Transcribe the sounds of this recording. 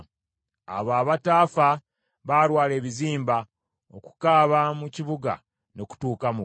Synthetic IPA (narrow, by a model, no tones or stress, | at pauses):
a̰βaːβataːfa | βalwaːle̞ːβiziːmba | o̞ku̥kaːβamuciβuɡa̰ | no̞ku̥tuːkamu